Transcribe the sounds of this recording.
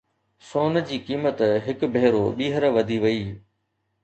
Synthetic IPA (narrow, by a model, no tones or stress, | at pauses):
soːn̆d͡ʑiːkiːmət̪ɦɪkbʱeɦɾoɓiːɦəɾʋɐd̪ʱiʋɐiː